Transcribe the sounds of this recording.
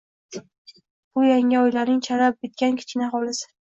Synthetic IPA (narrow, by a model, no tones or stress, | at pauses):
b̥ʊjaŋɪɒjlaɾnɪŋt͡ʃʰaɾap̚bet̪̚kʲankʲʰɪ̥t͡ʃkʲɪnaχɒlɪsɪ̥